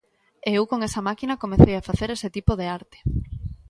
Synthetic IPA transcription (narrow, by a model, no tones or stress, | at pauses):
eewkoŋesɐmakinɐkomeθejafaθeɾeset̪ipoð̞eaɾt̪e̥